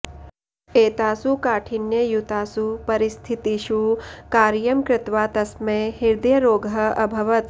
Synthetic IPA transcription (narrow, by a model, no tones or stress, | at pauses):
eːt̪aːsukaːʈʰinjɐjut̪aːsupɐɾɪst̪ʰit̪iʃukaːɾjɐmkɾɪt̪ʋaːt̪ɐsmeɦiɾd̪jɐɾoːɡʱɐɐbʱɐʋɐt̪